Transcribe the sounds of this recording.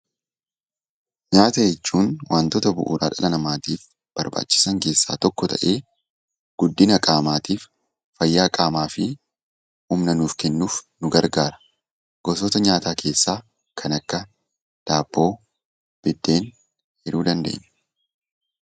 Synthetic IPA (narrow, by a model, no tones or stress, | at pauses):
ɲaːt̪ɐjɛt͡ʃːuːnwʔaːnt̪ɔt̪ɐbʊ̰ʔṵːɾa̰ːᶑɐlɐnɐmaːt̪iːf | b̥ɐɾba̰ːt͡ʃːɪ̥sɐŋke̞ːsːa̰ːt̪ɔkːɔt̪ʰɐ̰ʔe̞ː | ɡ̥ʊd̪ːɪnɐkʼaːmaːt̪iːf | fɐjːaːkʼaːmaːfɪ | hʊmnɐnuːfkɛnːuːfnʊɡɐɾɡaːɾɐ̥ | ɡ̥ɔsɔt̪ɐɲaːt̪aːkʰe̞ːsːaː | kʰɐnɐkːɐ | d̪̥aːb̥ːo̞ː | b̥ɪd̪ːe̞ːn | hɛɾuːd̪ɐnd̪ḛːʔɲːɛ̥